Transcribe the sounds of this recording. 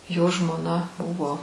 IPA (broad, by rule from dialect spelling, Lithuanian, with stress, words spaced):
joː ʒmoːˈnɐ ˈbʊʋoː